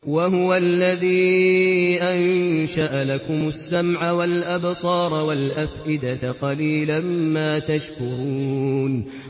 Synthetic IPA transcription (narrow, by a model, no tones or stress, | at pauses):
waɦʊwalːaðiː | ʔanʃaʔalakʊmʊsːamʕawalʔabsˤɑːɾˤwalʔafʔɪd̪aqɑliːlammaːt̪aʃkʊɾuːn